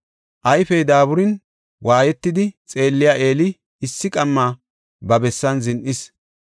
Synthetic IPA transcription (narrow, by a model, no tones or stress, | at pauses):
ʔɐjfɛjd̪aːβʊɾɪn | waːjɛt̪ːɪd̪ɪt͡sʼe̞ːlːɪjaːʔe̞ːlɪː | sːɪkʼɐmːaː | bɐbɛsːɐnzɪnʔɪs